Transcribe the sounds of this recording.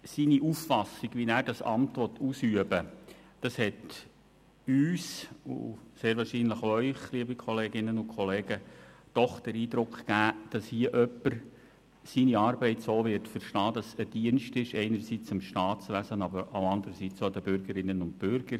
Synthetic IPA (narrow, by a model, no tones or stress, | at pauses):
siniʔuffɑsiɡvʋinæːɾdɑsɑ̰mtʋɔt̪ʰːuːsyəbəd̥ɑshɛt | yːsṵseːɾʋɑːɾʃiːnləχœʏχliəbikʰɔleːɡɪnːənʊnkʰɔleːɡ̥əd̥ɔχd̥əɾiːd̪ɾʊkχkæːd̥ɑshiəʔœpːəɾ | siniɑːɾbɛɪtsoːʋɪrtfəɾʃtɑːdɑsəd̥iənʃtɪʃɛɪnəɾsit͡sɪmʃtɑːtt͡sʋæzənɑbəɾaʊɑnd̪əɾəsiːt͡sod̪əbʏɾɡəɾɪnːənʊntb̥ʏɾɡ̥əɾ